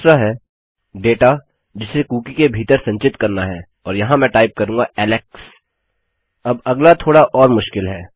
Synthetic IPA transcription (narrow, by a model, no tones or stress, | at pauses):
sɾaɦɛː | ɖeːʈa | d͡ʒɪsːekuːkikebʱiːt̪əɾsɐ̃ɲt͡ʃɪt̪kɐɾnaɦɛː | ɔːɾjɐɦãmɛ̃ʈaːɪp̚kɐɾũːŋɡaɛːlɛks | ɐbɐɡlat̪ʰoːɽaʔɔːɾmʊʃkɪlɦɛː